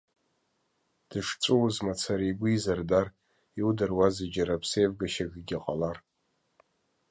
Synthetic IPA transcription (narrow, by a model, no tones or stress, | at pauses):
d̥ɨʂt͡sʷʼuwzmat͡sʰaɾijɡʷʊizardar | iwdarwazɨd͡ʒaɾapʰsejvɡaʃaɡɡʲaqʼalar